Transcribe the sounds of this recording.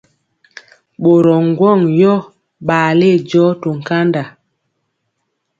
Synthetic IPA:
ɓo˨ɾɔ˨ŋ˦ɡwɔ˦˨ŋjɔ˦ | ɓaː˨le˦˨d͡ʒɔ˦to˨ŋ̩˨ka˦nda˨

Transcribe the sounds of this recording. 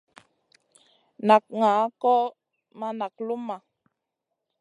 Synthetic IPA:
na˨k̚ŋa˨˦kɔ˦ | ma˦na˨k̚lu˦mːa˨

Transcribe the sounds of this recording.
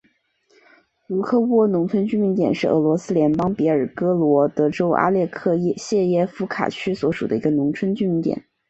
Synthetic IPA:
u˧˥kʰɤ˥˧wwɔ˥˩nʊ˧˥ŋt͡sʰwə˥nt͡ɕy˥nmi˧˥ŋt̪jɛ˨˩nʂɻ̩˥˩ɤ̰˧˥lwɔ˧˥sɹ̩˥ljɛ˧˥npɑ˥ŋpjɛ˧˥ə˞˨˩kɤ˥lwɔ˧˥t̪ɤ˧˥ʈ͡ʂo˥ʊʔa̰˥ljɛ˥˧kʰɤ˥˧jɛ˥˧ɕjɛ˥˧jɛ˥˩fu˧˥kʰa̰˨˩t͡ɕʰy˥swɔ˧˥ʂu˨˩d̪ə˦i˧˥ɡə˧nʊ˧˥ŋt͡sʰwə˥nt͡ɕy˥mi˧˥ŋt̪jɛ̰˨˩˦n

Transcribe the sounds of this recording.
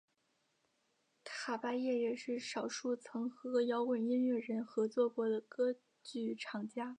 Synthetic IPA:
t̪ʰa˨˩pa˥jɛ˥˧ɻɛ˥˧ʂɻ̩˥˩ʂɑ˨˩ʊʂu˥˩t͡sʰɤ˧˥ŋxɤ˧˥jɑ˧˥ʊwə˨˩ni˥nɥɛ˥˩ɻə˧˥nxɤ˧˥t͡swɔ˥˩kwɔ˧˥d̪ə˨kɤ˥ | t͡ɕy˥˩ʈ͡ʂʰɑ˨˩ŋt͡ɕja˥

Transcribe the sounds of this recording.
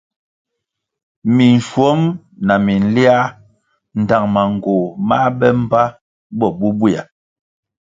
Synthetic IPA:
mi˨n˨ʃwɔ˨˦m | na˨mi˨n̩˦li˦a˦ | n̩˨da˨ŋma˨ŋ̩˨ɡo˨ma˦ɓɛ˦m̩˦pa˦ | bɔ˦bu˦bu˦a˨

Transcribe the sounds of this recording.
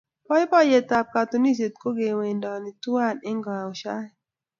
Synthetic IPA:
pɔ˦jpɔ˦je˨ta˨p̚ka˨t̪o˨ni˦s̬e˨t̚ko˦ɡe˨we˨ndɔ˨ni˨tu˦a˦˨ne˦ŋɡa˨o˨ʃa˦˨

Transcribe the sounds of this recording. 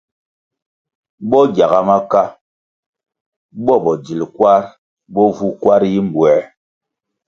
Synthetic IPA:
ɓɔ˦ɡja˨ɣa˨ma˦ka˦ | ɓɔ˦ɓɔ˨d͡ʒi˨lkwa˦ɾ | ɓɔ˦vu˦kwa˦ɾji˦m̩˨bwɛ˨˦

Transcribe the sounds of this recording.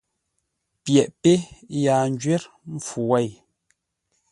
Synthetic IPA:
pjɛ˨ʔpe˦jaː˨n˦d͡ʒɥɛ˦ɾ | ɱm̩˦fu˨wɛ˦˨j

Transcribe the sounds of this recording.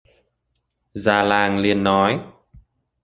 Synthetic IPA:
zaː˧laː˧˩ŋli˧ənːɔ˨˦j

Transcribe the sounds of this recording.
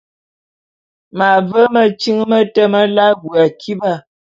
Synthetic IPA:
ma˨və˦mə˨t͡ʃi˦ŋmə˦tə˦mə˦la˦ɡu˨a˨kʰi˦ba˦˨

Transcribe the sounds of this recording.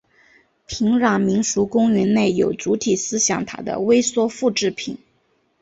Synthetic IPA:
pʰi˧˥ŋɻɑ˨˥˩ŋmi˧˥ŋʂu˧˥kʊ˥ŋɥɛ˧˥nne˥˩ɪjo˨˩ʊt͡su˧˥t̪ʰi˨˩sɹ̩˥ɕjɑ˨˩ŋt̪ʰa̰˥d̪ə̰˨we˥ɪswɔ˥fu˥˧ʈ͡ʂɻ̩˥˩pʰi˨˩˦n

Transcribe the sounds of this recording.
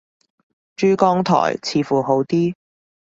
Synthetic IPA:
t͡ʃyː˥kɔː˥ŋt̪ʰɔ̰ː˨˩jt͡sʰiː˨˧˥fuː˨˩ɦo˨˥wt̪iː˥

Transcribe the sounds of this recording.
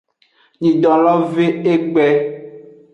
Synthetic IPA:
ɲĩ˨ɖɔ̃˨lɔ˦ve˦e˦ɡ͡bɛ˦

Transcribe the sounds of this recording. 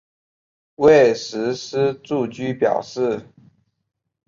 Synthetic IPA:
we˥˨ɪʂɻ̩˧˥ʂ̩˥ʈ͡ʂu˥˩t͡ɕy˥pjɑ̰˨˩ʊʂɻ̩˥˩

